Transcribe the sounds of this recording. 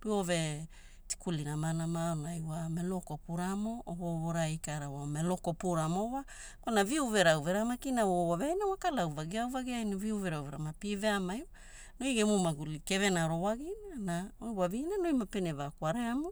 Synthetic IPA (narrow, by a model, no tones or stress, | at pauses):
piove̞ | ti̥kulinamanamaonajwamelo̞kopuɾamo̞ʔoβoβoɾajkaɾawamelo̞ko̞puɾamowa | kanaviuve̞ɾawve̞ɾamakinawoowaveajnawakalawvaɡiawvaɡiajniviuve̞ɾawveɾamapiveamajwa | nojɡemumaɡulike̞ve̞naɾo̞waɡinaanaojwavinanojmapenevakwaɾeamu